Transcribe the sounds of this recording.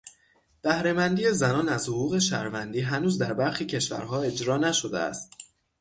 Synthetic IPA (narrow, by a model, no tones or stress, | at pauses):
b̥æhɾe̞mænd̪iːje̞zænɒːnæzhoɣuːɣe̞ʃæ̰ɾvænd̪iːɦænuːzd̪æɾbæɾxiːcʰe̞ʃvæ̰ɾɦɒːe̞d͡ʒɾɒːnæʃod̪ḛæ̰st̪̚